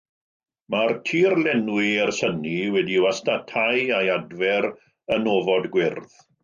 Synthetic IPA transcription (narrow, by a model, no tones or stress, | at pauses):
martʰiːrlɛnwiɛrsəniwɛdiwastatʰajajadvɛɾ | ənovɔdɡwɪrð